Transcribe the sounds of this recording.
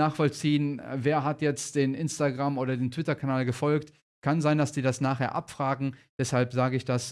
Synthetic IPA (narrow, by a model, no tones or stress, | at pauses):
aːχfɔlt͡siːənveːɐɦatjɛt͡std̥eːnʔɪnstaɡʁamʔoːdɐdeːntv̥ɪtɐkʰanaːlɡəfɔlkt | kʰanzaɪndasd̥iːdasnaːχheːɐʔa̰pfʁ̥aːɡŋ̩d̥ɛshalpz̥aːɡəɪçd̥as